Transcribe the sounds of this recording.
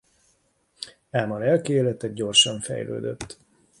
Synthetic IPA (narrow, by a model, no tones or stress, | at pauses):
ɛːmɒnɛlkieːlɛt̪ɛt̪̚ɟo̞rʃɒɱfɛ̰jlø̰ːd̪øt̪ː